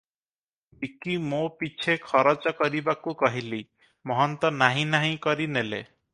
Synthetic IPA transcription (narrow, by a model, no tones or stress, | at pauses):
ikimopit͡ʃʰekʰɔɾɔt͡ʃɔkɔɾibakukɔɦili | mɔɦɔnt̪ɔnaɦĩnaɦĩkɔɾinelḛ